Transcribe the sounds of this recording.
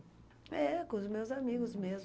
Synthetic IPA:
ɛkõʊzmewzamiɡʊzmez

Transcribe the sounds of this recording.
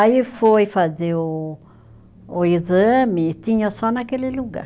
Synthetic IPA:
aifojfazeo | izəmĩt̪ĩɲãsɔnakeliluɡa̰ɾ

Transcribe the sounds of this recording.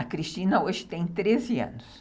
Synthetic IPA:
ɐkɾiʃt͡ʃĩnɐoʒɪt̪ẽj̃t̪ɾezɪɐ̰̃nʊs

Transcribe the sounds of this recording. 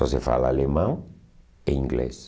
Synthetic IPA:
ɔsefa̰laalemãŋ | ẽĩŋɡlḛs

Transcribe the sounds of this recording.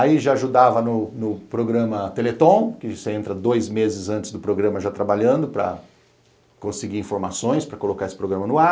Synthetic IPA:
aiʒaaʒud̪avɐnʊnʊpɾoɡɾɐ̃mɐt̪elet̪õw̃kɪseẽnt̪ɾɐd̪ojzmezɪzɐ̃nt͡ʃɪzd̪ʊpɾoɡɾɐ̃mɐʒat̪ɾabaʎɐ̃nd̪ʊpɾɐ̰ | kõsɪɡiɾĩfoɾmasõj̃spɾɐkolokaesɪ̥pɾoɡɾɐ̃mɐnʊa

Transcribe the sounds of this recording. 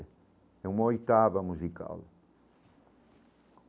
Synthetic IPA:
ɛumɐojt̪avɐmuzika̰l

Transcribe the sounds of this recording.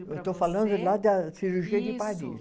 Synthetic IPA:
et̪ofalɐ̃nd̪ʊlad̪ɐsiɾuʒiɐd͡ʒɪpadḭ

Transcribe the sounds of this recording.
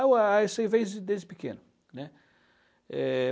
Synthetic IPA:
aasejvẽj̃zd͡ʒɪd̪ezd͡ʒɪpɪkḛ̃nʊ | nɛ | ɛ

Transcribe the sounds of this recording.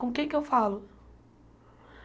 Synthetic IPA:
õmkẽkewfalʊ

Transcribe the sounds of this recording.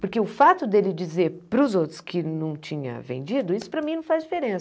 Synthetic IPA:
pʊɾkeʊfat̪ʊd̪elɪd͡ʒizeɾpɾʊzowt̪ɾʊ̥skʰɪnɐ̃w̃t͡ʃĩɲɐ̰vḛ̃nd͡ʒid̪ʊisʊ̥pɾɐmĩnɐ̃w̃fazd͡ʒifeɾẽsɐ

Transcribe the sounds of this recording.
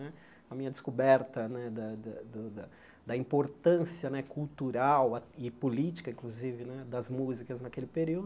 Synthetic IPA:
nɛ | ɐmĩɲɐd̪ɪskubɛɾt̪ɐnɛd̪ɐd̪ɐd̪ʊd̪ɐ | d̪ɐĩpoɾt̪ɐ̃siɐnɛkʰuwt̪uɾawɐɪpolit͡ʃi̥kɐĩŋkluzivɪnɛd̪ɐzmuzikɐznɐkelɪpeɾiwd̪ʊ

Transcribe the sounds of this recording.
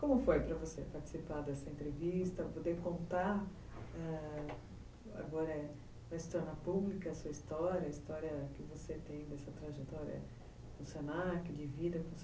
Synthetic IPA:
kõmʊfojpɾɐvosepaɾt͡ʃɪ̥sipaɾd̪ɛsɐẽnt̪ɾevist̪ɐpod̪eɾkõnt̪aɾ | ɛ | a̰ɡɔɾɐɛ | vɐst̪ɔɾnɐpublikɐɐsuɐist̪ɔɾjɐːist̪ɔɾjɐkɪvoset̪ẽj̃d̪ɛsɐt̪ɾaʒet̪ɔɾjɐ̰ɛ̰ | fũsjonakɪd͡ʒɪvid̪ɐfũs

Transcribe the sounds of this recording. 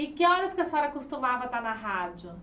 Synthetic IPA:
ɪkɪɔɾɐskɪɐsɔɾɐkʊst̪umavɐt̪anɐɦad͡ʒʊ

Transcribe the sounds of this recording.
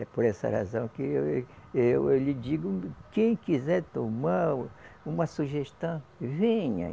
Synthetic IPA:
ɛpoɾɛsɐ̰ha̰zɐ̃w̃kɪ | ewewlɪd͡ʒiɡʊkẽj̃kizɛɾt̪omaũmɐsuʒeʃt̪ɐ̃w̃vẽɲɐ̰

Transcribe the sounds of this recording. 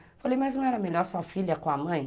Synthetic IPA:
falejmaznɐ̃ɛɾɐmeʎɔɾsɔfiʎɐkõɐmɐ̃j̃

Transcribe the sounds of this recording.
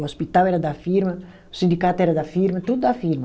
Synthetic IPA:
ɔspit̪awɛɾɐd̪afiɾmɐ | u̥sĩnd̪ikat̪ɛɾɐd̪ɐfiɾmɐt̪ud̪ud̪afiɾmɐ

